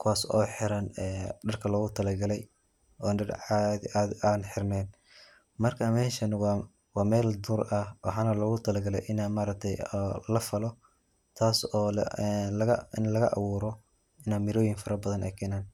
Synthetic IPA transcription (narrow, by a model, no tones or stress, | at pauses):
kʰʊwaːsɔ̰ːħɪɾɐnɛːɖɐrkʰɐlɔːɣʊt̪ʰɐlɐɡɐlɛj | ɔːnɐrad̪iʔaːd̪aːnħɪrnɛːn | mɐrkʰaːmɛːʃɐn | wɑːmɛːld̪urɐwɑ̰ħɑːnɐlɔːɣʊt̪ʰɐlɐɡɐlɛ̰jʔɪnaːmaːɾɐk̚t̪ʰɛjɔlɐfɐlɔ | t̪ʰaːsɔːlɐɣɐɪnlɐɣɐʔɐ̰wuːɾɔ | ɪnaːnmɪɾɔːjɪŋfɐɾɐbɐðɐnʔɛ̰jkʰɛːnaːn